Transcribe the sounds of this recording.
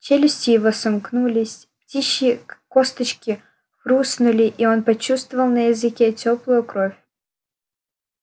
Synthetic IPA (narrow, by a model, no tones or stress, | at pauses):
t͡ɕelʲɪsʲtʲɪjɪvosɐmknulʲɪsʲ | ptʲiɕːɪkost̪ət͡ɕkʲɪ | xɾusnʊlʲɪʔionpɐt͡ɕust̪vəvəlˠnəjɪzɨkʲetʲoplˠʊjʊkɾofʲ